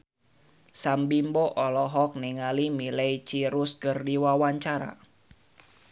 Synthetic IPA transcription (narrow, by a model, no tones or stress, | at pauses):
sambimbɔʔɔlɔɦɔk̚niŋalimilɛit͡ʃiɾuskɨrdiwawaɲt͡ʃaɾa̰